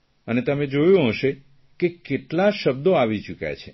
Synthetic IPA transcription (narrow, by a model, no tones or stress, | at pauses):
ənet̪əmẽd͡ʒojũɦəʃe | kekeʈlaʃəb̚d̪oaʋit͡ʃukja̰t͡ʃʰe